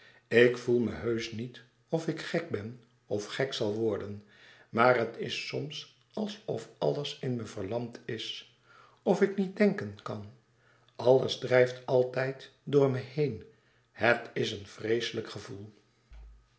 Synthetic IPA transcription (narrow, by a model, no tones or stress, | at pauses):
ɪkfulˠmə̰ɦøɥsnit | ɔfɪkχɛk̚bɛn | ɔfχɛksɑlˠʋɔɹdən | maːrɦətɪsɔms | ɑlˠsɔfɑ̰lˠəsɪnməv̥əɹlɑmtʰɪs | ɔfɪknit̚dɛŋkənkɑn | ɑlˠəzdrɛjftɑlˠtɛjtdʊːɹmɛhejn | hətɪsənfrejsələkχəvulˠ